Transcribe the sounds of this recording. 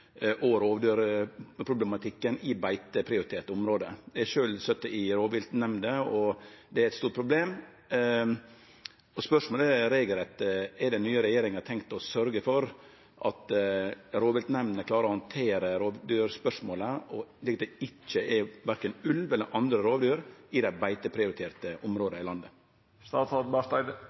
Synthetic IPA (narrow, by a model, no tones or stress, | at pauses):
ʔoːʋəɾoːʋd̪øːɾpʰɾʊblɛmɑt̪ʰɪkːənɪbæɪt̪əpʰɾɪʊɾɪt̪ʰeːʈ̪t̪əʊmɾoːd̪əd̪ɛɛʂøːlst̪œt̪ːəɪɾoːʋɪlt̪nɛmnd̪əɔd̪ɛæɾɛt̪st̪uːʈ̚pʰɾʊbleːm | ɔspœʂmoːləɾeɪɡəlɛt̪ɛd̪ɛnːyːəɾɛjeːɾɪŋɑt̪ʰɛŋkt̪ɔsœɾɡəfɔɾ | ʔɑ̰t̪ | ɾoːʋɪlt̪nɛmnəkʰlɑːɾəɾɔhɑnt̪ʰeːɾəɾoːʋd̪yːɾspœʂmoːləɔliːkɑt̪ɛɪt͡ʃːəɛʋæɾkənʉlʋɛlːəɾʔɑnd̪ɾəɾoːʋd̪yːɾɪd̪æɪbæɪt̪əpʰɾɪʊɾɪt̪ʰeːɾt̪əʔʊmɾoːd̪əɪlɑnd̪ə | st̪ɑːsɑt̪bæt̪ɑɪd̪